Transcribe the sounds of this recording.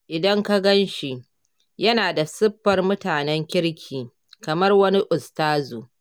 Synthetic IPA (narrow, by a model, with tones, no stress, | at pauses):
ʔɪ˨dɐ˦ŋka˦ɡɐ˦nʃi˨ | jɐ˦naː˨da˨sɪ˦ɸːɐ˨rmʊ˦taː˨nɛ˦ŋkʲɪ˦ɽkʲʰiː˨ | kɐ˨mɐ˦rwɐ˦ni˦ʔʊ˨staː˦zoː˨